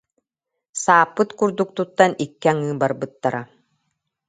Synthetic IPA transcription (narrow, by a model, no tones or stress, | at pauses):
saːpːɯt̪kuɾd̪uk̚t̪ut̪ːanikːaŋɯːbaɾbɯt̪ːaɾa